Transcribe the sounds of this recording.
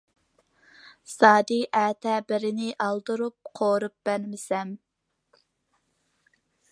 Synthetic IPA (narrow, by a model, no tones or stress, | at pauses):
sɑːd̪iʔɛːt̪ʰɛbɪɾɪnɪʔɑlˠd̪ɨɾup̚qʰoːɾup̚b̥ɛɾmɪsɛm